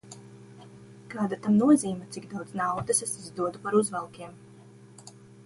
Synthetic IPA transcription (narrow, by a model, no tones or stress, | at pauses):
kaːd̪at̪amnuɔziːmat̪siɡd̪awd̪znawd̪ɐsesizd̪uɔd̪upaɾuzvɛlˠkʲiɛm